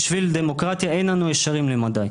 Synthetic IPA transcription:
ʃvild̪emo̞kʁat̪jaejnlanueʃaʁimlemad̪aj

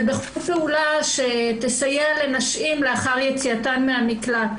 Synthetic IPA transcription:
beχfeulaʃet̪esajeale̞naʃimleaχaʁjet͡siatanmeamikla

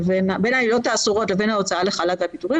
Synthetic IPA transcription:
venabe̞nhailo̞taːsuʁo̞tle̞ve̞nhao̞t͡saaleχalakapituʁi

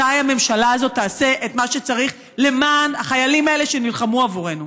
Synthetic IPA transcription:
ajame̞mʃalaazo̞t̪ːaːse̞ʔetmaʃet͡saʁiχ | le̞maːnaχajalimae̞le̞ʃe̞nilχamuavuʁe̞nu

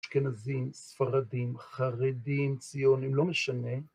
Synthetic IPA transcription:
ʃkenazimsfaʁadimχaʁedimt͡sijonimlo̞meʃane̞

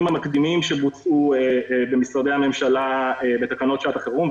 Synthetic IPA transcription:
mhamakd̪imimʃebut͡suebemisʁad̪e̞jhame̞mʃalaebe̞t̪akano̞t̪ʃeat̪aχeʁum

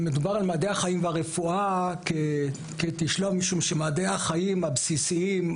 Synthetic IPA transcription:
med̪ubaʁalmadehaχajimveaʁefuake | ket̪iʃlovmiʃumʃemadehaχajimabsisiim

